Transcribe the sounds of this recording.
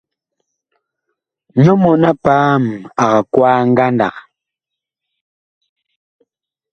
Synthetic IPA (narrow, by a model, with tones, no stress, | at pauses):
ɲɔ˦mɔ˨na˦paː˦m˨a˨ɣa˨kwaː˦ŋ̩˦ɡa˦nda̰˨k